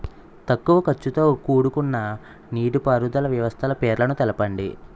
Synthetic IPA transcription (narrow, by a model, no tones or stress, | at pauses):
t̪ɐkːuʋɐkɐt͡ʃːut̪o̞ːkuːɽukunːɐ | niːʈupaːɾud̪ɐlɐʋjɐʋɐst̪ʰɐlɐpeːɾlɐnut̪ɛlɐpɐɳɖḭ